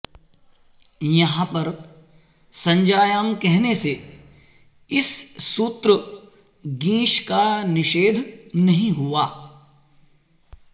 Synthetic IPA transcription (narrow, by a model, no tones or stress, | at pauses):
jɐɦãpɐɾ | sɐ̃ɲd͡ʒaːjaːmkɛɦnese | ɪsːuːt̪ɾə | ɡĩːʃkanɪʃeːd̪ʱnɐɦĩɦuaː